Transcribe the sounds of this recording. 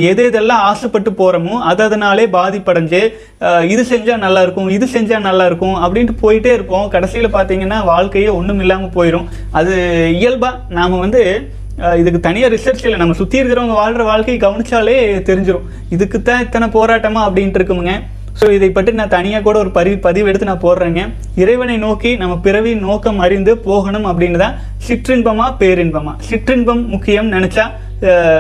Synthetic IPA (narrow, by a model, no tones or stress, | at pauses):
eːðeːðɛlːãːaːsɐpːɐʈːɯpoːɾɐmʊ̃ɐðɐðɐnaːleːbaːðɪpːɐɽɐɲd͡ʒɯ | ɪðɯsɛɲd͡ʒãːnɐlːaːɪɾɯkːʊ̃ɪðɯsɛɲd͡ʒaːnɐlːaːɪɾɯkːʊ̃ɐpːɐɽɪnʈːɯpoːjɪʈːeːɪɾɯkːʊ̃ːkɐɽɐsɪjɐlpaːɾt̪iːŋɡɐnːaːʋaːɭkɐjeːɔɳːɯmɪlːaːmɐpoːjɪɾʊ̃ | ɐðɯɪjɐlbaː | naːmɐʋɐnd̪ɯ | ɪðɯkːɯt̪ɐnɪjɐɾɪsɐɾt͡ʃɪlnɐmːɐsʊt̪ːɪjɪɾkɪɾɐ̃ɐŋɡɐʋaːɻɾɐʋaːɻkɐɪɡɐʋɐnɪt͡ʃːaːleːt̪ɛɾɪɲd͡ʒɯɾʊ̃ | ɪðɯkːɯt̪ːãːɪt̪ːɐnɐpoːɾaːʈːɐmaːɐpːɐɽɪnɖɪɾɯkːɯmɯŋɡɐ | soːɪðɐɪpːɐʈːɯnãːt̪ɐnɪjaːk̬uːɽɐɔɾɯpɐɾɪʋpɐðɪʋɛɽɯt̪ːɯnãːpoːɾɾeːŋɡɐ | ɪɾɐɪʋɐnɐɪnoːkinɐmːɐpɪɾɐʋinoːkːɐmɐɾɪnd̪ɯpoːɣɐɳɯmɐpːɐɽɪnɐt̪ãː | sɪʈɾɪɳbɐmaːpeːɾɪɳbɐma̰ːsɪʈrɪɳbɐmːʊkːɪjɐmnɐnɛt͡ʃːaː